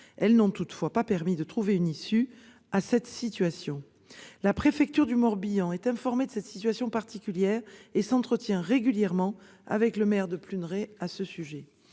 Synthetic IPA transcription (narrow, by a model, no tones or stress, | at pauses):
ɛlnɔ̃t̪ut̪fwapapɛʁmid̪ət̪χuveynisy | asɛt̪sit̪ɥasjɔ̃ | lapχefɛk̚t̪yʁd̪ymɔʁbijɑ̃ɛt̪ɛ̃fɔʁmed̪əsɛt̪sit̪ɥasjɔ̃paʁt̪ikʲyljɛʁesɑ̃t̪χət̪jɛ̃ʁeɡʲyljɛʁmɑ̃ | a̰vɛkləmɛʁd̪əplynʁeasəsyʒɛ